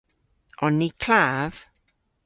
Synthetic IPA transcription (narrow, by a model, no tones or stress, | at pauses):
ɔnːikʰl̥av̥